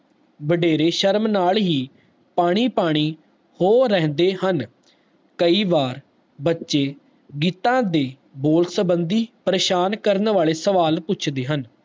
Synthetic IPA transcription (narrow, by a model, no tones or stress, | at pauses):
bəɖeːɾeːʃəɾmnaːlɦiː | paːɽ̃iːpaːɽ̃iː | hoːɾɛ̃ːnd̪eːɦən | kəiːʋaːɾ | bətːʃeː | ɡiːt̪ãːd̪eː | boːlsəbənd̪iːpəɾeːʃaːnkəɾnʋaːɭeːsəʋaːlpʊt͡ʃʰd̪eːɦən